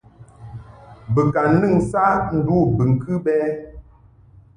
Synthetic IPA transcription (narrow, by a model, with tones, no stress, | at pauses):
bə˨ka˨n˦nɨ˦˨ŋsa˦n̩˦du˦˨bɨ˨ŋ̩˨kɨ˦ɓɛ˦